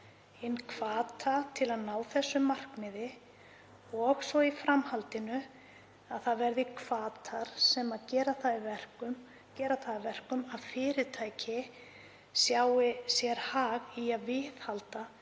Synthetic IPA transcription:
ɪnkʰv̥aːt̪ʰat̪ʰɪlaðnaːwθɛsːʏmar̥knɪðɪ | ɔɣsɔifɾamhalt̪ɪnʏ | aðθaðvɛɾðɪkʰvaːt̪ʰaɾ̥sɛmaðcɛːɾaθaðɪvɛr̥kʏm | cɛːɾaθaðɪvɛr̥kʏmaðfɪːɾɪt̪ʰaːjcɪ | sjaːwɪsjɛɾ̥haːɣiaðvɪðhalt̪a

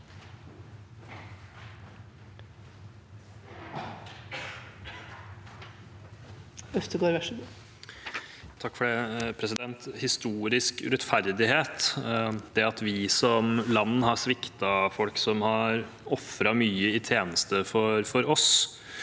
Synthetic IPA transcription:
œft̪əɡoːɾʋæʂəbo | t̪ʰɑkːfɔɖɛːpʰɾɛsɪd̪ɛnt̪hɪst̪uːɾɪskɾɛt̪ːfæɾd̪ɪheːt̪d̪̥ɛɑt̪ʋɪsɔmlɑnːhɑʂʋɪkt̪ɑfɔlksɔmhɑɾ | ɔfɾɑmyːəɪt̪ʰjeːnəst̪əfɔɾfɔɾɔs

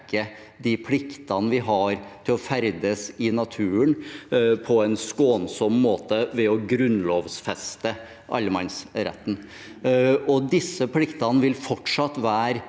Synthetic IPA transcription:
kə | d̪ɪpʰlɪkt̪ɑnəʋɪɦɑɾt̪ʰɪlɔfæɾd̪əsɪnɑt̪ʰʉːənpʰɔɛnskoːnsɔmːoːt̪əʋɛɔɡɾʉnloːʋsfɛst̪ə | ʔɑ̰lːmɑnsɾɛ̰t̪ːn̩ | ɔd̪ɪsːəpʰlɪkt̪ɑnʋɪlfɔʈʂɑt̪ːʋæːɾ

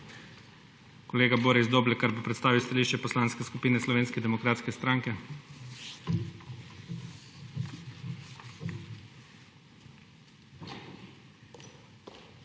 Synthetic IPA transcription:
kɔleːɡaboːɾɛizd̪oːblɛkaɾbopɾɛt̪st̪aːʋiwst̪aliːʃt͡ʃɛpɔslaːnskɛskupiːnɛslɔʋeːnskɛd̪ɛmɔkɾaːt̪skɛst̪ɾaŋkɛ

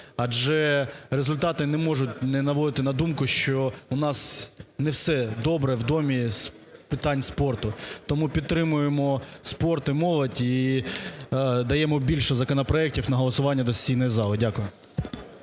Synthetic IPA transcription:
ɐd͡ʒɛɾezʊlʲt̪ɑt̪ɪnɛmɔʒʊtʲnɛnɐʋɔd̪ɪt̪ɪnɐd̪umkʊʃt͡ʃɔʊnɑsnɛwsɛd̪ɔbɾɛwd̪ɔmʲis | pɪt̪ɑnʲspɔrt̪ʊt̪ɔmupʲid̪̚t̪ːɾɪmʊjemɔspɔrt̪ɪmɔlˠɐdʲi | d̪ɐjɛmɔbʲilʲʃɔzɐkɔnɔpɾɔɛk̚tʲiwnɐɦɔlˠɐsʊʋɑnʲːɐd̪ɔsʲijnɔjizɑlˠɔdʲakʊjʊ

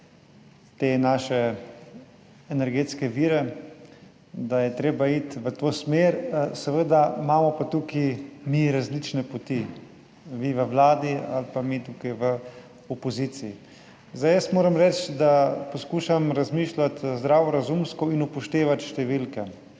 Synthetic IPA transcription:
t̪enaːʃɛ | ɛnɛɾɡeːt̪skɛʋiːɾɛ | d̪ajɛt̪ɾeːbait̪ʋət̪oːsmeːɾsɛʋəd̪amaːmɔpat̪ukimiɾazlit͡ʃnɛpɔt̪i | miʋəʋlaːd̪ia̰lpamit̪ukajʋə | ɔpɔziːt̪sii | zajəsmoːɾɐmɾɛt͡ʃd̪apɔskuːʃamɾazmiːʃlat̪zd̪ɾaːʋɔɾazumskɔinupɔʃt̪eːʋat̪ʃt̪ɛʋilkɛ

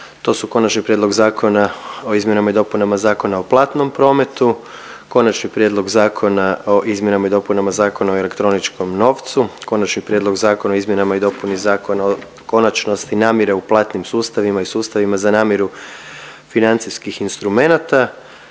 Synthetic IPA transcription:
t̪o̞ːsuko̞nat͡ʃnipɾjedlˠoɡzaːkʰo̞nao̞izmje̞namaid̪o̞punamazaːko̞nao̞plˠaːt̪no̞mpɾo̞ːme̞t̪u | ko̞nat͡ʃnipɾjed̪lˠo̞ɡzaːkʰo̞naoʔizmjenamaid̪o̞punamazaːkonaoele̞kt̪ɾo̞nit͡ʃko̞mno̞ːʋt̪suko̞nat͡ʃnipɾjed̪lo̞ɡzaːko̞naoizmʲje̞namaid̪o̞punizaːkonao | ko̞nat͡ʃno̞st̪inaːmjeɾeuplˠaːt̪nimsuːst̪aʋimaisuːst̪aʋimazanaːmjeɾu | finant̪siskixinst̪ɾume̞nat̪a

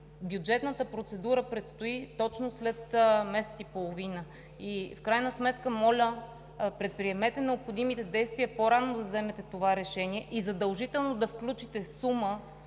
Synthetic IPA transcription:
bjud͡ʒɛt̪nət̪əpɾot̪sɛd̪uɾəpɾɛt̪st̪oit̪ɔt͡ʃnoslɛt̪mɛsɛt̪sipolˠovinə | ifkɾajnəsmɛt̪kəmɔlʲə | pɾɛt̪̚pɾiɛmɛt̪ɛnɛopxod̪imit̪ɛd̪ɛjst̪viəpoɾanːod̪ɐvzɛmɛt̪ɛt̪ovaɾɛʃɛniɛʔizɐd̪əlˠʒit̪ɛlˠnod̪ɐfklʲut͡ʃit̪ɛsumə

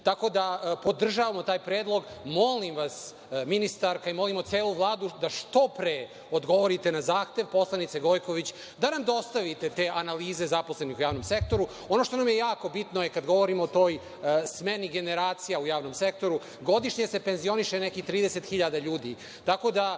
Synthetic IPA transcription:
t̪ako̞d̪apo̞d̪r̩ʒaːʋamot̪aːjpɾeːd̪lˠo̞ɡmo̞limʋas | minist̪aɾkaimo̞limot̪seːlˠuʋlˠaːd̪ud̪aʂt̪o̞pɾe | od̪ɡo̞ʋoɾit̪e̞nazaːxt̪e̞ʋpo̞slˠanit̪seɡo̞jko̞ʋit͡ɕ | d̪anamd̪o̞st̪aʋit̪e̞t̪eːʔanaliːze̞zapo̞slenixujaːʋnomse̞k̚t̪o̞ɾu | o̞no̞ʃt̪o̞namjejaːko̞bit̪nojekad̪ɡo̞ʋo̞ɾimoːt̪o̞ːj | smeniɡe̞neɾaːt̪sijaujaːʋno̞msek̚t̪o̞ɾu | ɡo̞d̪iʃɲesepe̞nzijo̞niʃenekixt̪ɾiːd̪ese̞t̪xiʎad̪aʎuːd̪i | t̪ako̞d̪a

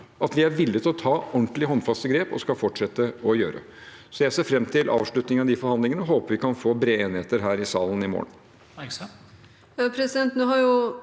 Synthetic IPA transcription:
ʔɑt̪ʋɪæɾʋɪlːət̪ʰɪlɔt̪ʰɑːɔɳt̪lɪɦɔnːfɑst̪əɡɾeːpɔ̰skɑlfɔʈʂɛt̪ːəɔjøːɾə̰ | sɔjæɪseːɾfɾɛmːt̪ʰɪlʔɑ̰ːʋʂɭʉt̪nɪŋɑʋd̪ifɔɾhɑnd̪lɪŋənəɔɦoːpəɾʋɪkʰɑnfoːbɾeːeːnɪheːt̪əɾɦæːɾɪsɑːlənɪmo̰ːn | pʰɾɛsɪd̪ɛnt̪nuːhɑɾjʊ

